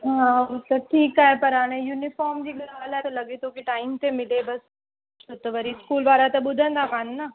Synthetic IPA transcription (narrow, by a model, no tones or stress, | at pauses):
ɦãɐsɐb̚ʈʰiːkɦaepɐɾaːnejuːnɪfɔːɾmd͡ʒiɡɐɾʋaːlɛt̪elɐɡet̪õkiʈaːɪmt̪emɪlebɐs | t͡ʃot̪oʋɐɾiskuːlbaːɾat̪ebʊd̪ʱə̃nd̪aːkaːnnaː